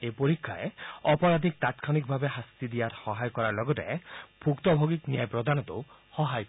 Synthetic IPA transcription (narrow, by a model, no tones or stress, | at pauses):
epoɾikʰːa̰eɔpɔɾad̪ʱik̚t̪at̪kʰanik̚bʱabeɦast̪id̪ijaɾhɔɦajɔkɔɾaɾlɔɡɔt̪a̰ebʰʱukt̪ɔbʱoɡiknijajpɾɔd̪ʱanɔt̪ṵ | hɔɦajk